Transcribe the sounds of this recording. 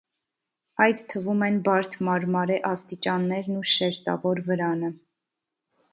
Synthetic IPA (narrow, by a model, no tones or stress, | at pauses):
ɑjt͡st̪ʰəvumɛnbɑɾt̪ʰmɑɾmɑɾɛʔɑst̪it͡ʃɑnːɛɾnuʃɛɾt̪ɑ̰vɔɾvəɾɑnə